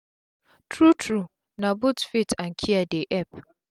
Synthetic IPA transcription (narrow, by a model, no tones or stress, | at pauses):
tʰɾutʰɾu | nãbʊtfitʰãŋ̩kʰiadeʔɛp